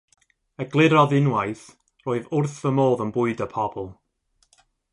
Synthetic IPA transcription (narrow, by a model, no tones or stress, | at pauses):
əɡlˠɪɾɔðɪnwajθ | roːɨðʊrθəmoːðənbʊɨdəpʰɔbɔlˠ